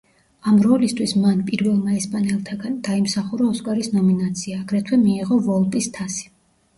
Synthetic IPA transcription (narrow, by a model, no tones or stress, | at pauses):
amɾɔlist̪ʰwismanpʼiɾvɛlˠmaɛspʼanɛlˠt̪ʰaɡand̪̥aimsaχuɾaɔskʼaɾisnɔminat̪sʰiaːɡɾɛt̪ʰwɛmiːʁɔvɔlˠpʼist̪ʰasi̥